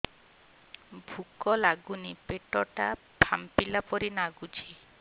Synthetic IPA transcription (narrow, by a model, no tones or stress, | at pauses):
bʱukɔlaɡunipeʈɔʈa | bʱampilapɔɾinaɡud͡ʒʰi